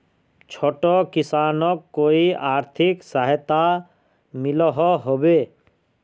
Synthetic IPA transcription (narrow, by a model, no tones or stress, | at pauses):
t͡ʃʰoːʈokɪsaːnɔkːoːiaːɾt̪ʰɪksəɦt̪a | mɪlɔɦɔɦobe